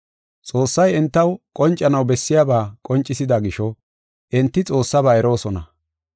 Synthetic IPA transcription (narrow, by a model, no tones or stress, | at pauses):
t͡sʼo̞ːsːɐjɛnt̪ːɐwkʼɔnt͡ʃʼːɐnɐwbɛsːɪjabaːkʼɔnt͡ʃʼːɪsɪd̪aːɡɪʃɔ | ʔɛnt̪ːɪt͡sʼo̞ːsːɐbaːɛɾo̞ːsɔnɐ